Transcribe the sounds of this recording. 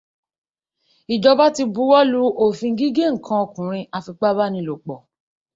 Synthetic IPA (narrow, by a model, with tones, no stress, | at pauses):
i˨d͡ʒɔ˧ba˦ti˧bu˦wɔ˦lu˦o˦˨fĩ˧˦ɡi˦ɡe˦˨ŋ̩˨kʰã˧o˧˨kũ˨ɾ̃ĩ˧ʔa˧fi˧k͡pa˦ba˦nĩ˧lo˨k͡pɔ˨